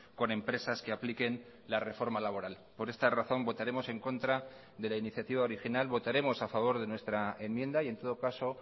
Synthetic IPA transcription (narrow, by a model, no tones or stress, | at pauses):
ko̞nẽ̞mpɾe̞saskeaplike̞n | lare̞fo̞ɾmalaβo̞ɾal | po̞ɾe̞st̪araθo̞mbo̞t̪aɾe̞mo̞se̞ŋko̞nt̪ɾa | ðe̞lainiθjat̪iβao̞ɾixinalβo̞t̪aɾe̞mo̞safaβ̞o̞ɾðe̞nwe̞st̪ɾae̞nmje̞nd̪aie̞nt̪o̞ð̞okaso̞